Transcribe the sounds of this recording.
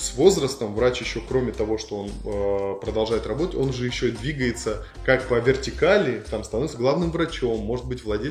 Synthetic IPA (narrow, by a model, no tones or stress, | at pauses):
svo̞zrəst̪əmvɾat͡ɕjɪɕːo̞kɾo̞mʲɪt̪ɐvo̞ʂt̪o̞o̞nəpɾəd̪ɐlˠʐajɪt̪rɐbo̞t̪ə̥tʲo̞nʐɨjɪɕːod̪vʲiɡəjɪt̪sə | kak̚pəvʲɪrtʲɪkalʲɪt̪amst̪ɐno̞vʲɪt̪səɡlˠavnɨmvɾɐt͡ɕo̞mːo̞ʐɨt̪bɨtʲvlˠɐdʲelʲ